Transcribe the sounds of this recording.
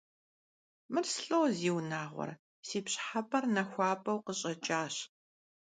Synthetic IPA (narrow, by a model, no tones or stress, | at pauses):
mɨrsɬʼoːziːwnaːʁʷɔ̰r | siːpɕħapʼɐrnɐxʷɑːpʼɐwqəɕʼɐt͡ʃʼaːɕ